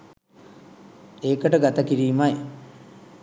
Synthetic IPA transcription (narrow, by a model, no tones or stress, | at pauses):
eːkəʈəɡat̪ɐkiɾiːmaj